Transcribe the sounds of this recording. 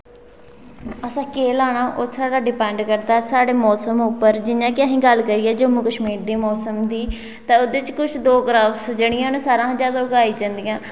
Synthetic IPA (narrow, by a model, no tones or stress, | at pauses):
əsãːkeːlaːɳãːʔosaːɽaːɖɪpɛ̃ːɳɖkəɾd̪aːsaːɽeːmɔːsəmʊpːəɾd͡ʒɪnjãːkɪãːɦĩːɡəlkəɾiːɛːd͡ʒoːmũːkəʃmiːɾd̪iːmɔːsəmd̪iː | t̪ãːʊd̪eːt͡ʃkʊt͡ʃʰd̪oːɡɾaːfʰsd͡ʒəɽ̃ɪjãːnũːsaːɾãːd͡ʒjaːd̪aːʊɡaːiːd͡ʒãːnd̪ijãː